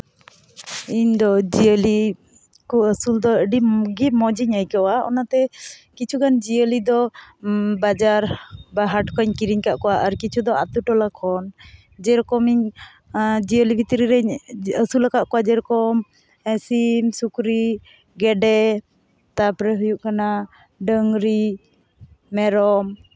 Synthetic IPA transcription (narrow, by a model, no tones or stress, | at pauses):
iɲd̪ɔd͡ʒiəli | kuəsuld̪ɔəɖiɡimɔd͡ʒiɲajkawaɔ̰nat̪ɛkit͡ʃʰuɡand͡ʒiəlid̪ɔ | bad͡ʒaɾbaɦaʈkɔɲkiɾiɲkaʔkɔwaʔaɾkit͡ʃʰud̪ɔa̰t̪uʈɔlakʰɔn | d͡ʒɛɾkɔmiɲ | d͡ʒiəlibʱit̪iɾiɾɛɲəsulakaʔkɔwad͡ʒɛɾkɔm | ɛsimsukɾi | ɡɛɖɛ | t̪apɾɛɦujuʔkana | ɖəŋɾi | mɛɾɔm